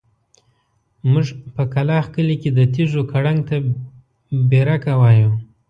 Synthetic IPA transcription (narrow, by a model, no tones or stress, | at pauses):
mʊʐpəkalɑxkəliked̪ət̪iʐokaɽaŋɡ̚t̪a | beɾakawɑjum